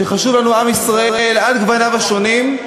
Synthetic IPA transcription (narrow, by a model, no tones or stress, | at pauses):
eχaʃuvlanuamisʁaʔeeladɡvanavaʃo̞nim